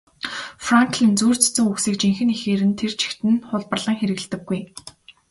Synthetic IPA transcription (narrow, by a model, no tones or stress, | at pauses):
fraŋkɮĭnt͡suːr̥t͡sɵ̥t͡sɘ̆ŋuksiːk̚t͡ɕiŋxɘ̆nexeːɾɘ̆nt̪ʰer̥t͡ɕʰi̥xt̪ɘ̆nχʊɮpə̆rɮə̆ŋxeɾɘ̆ɣɮt̪ɘ̆ɡːuj